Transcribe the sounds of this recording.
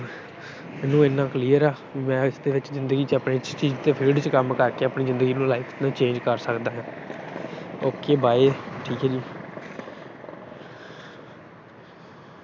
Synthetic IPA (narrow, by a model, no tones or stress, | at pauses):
mɛːnũːeːnːãːkliːəɾaː | iːmɛ̃ːɪsd̪eːʋɪt͡ʃzɪ̃nd̪əɡiːt͡ʃəpneːt͡ʃt͡ʃiːd͡ʒt̪eːpʰeːlɖt͡ʃkəmkəɾkeːəpɳiːzɪ̃nd̪əɡiːnũːlaːɪpʰnãːt͡ʃẽːd͡ʒkəɾsəkd̪aːɦɛ̃ː | oːkeːbaːeːʈʰiːkɦɛːd͡ʒiː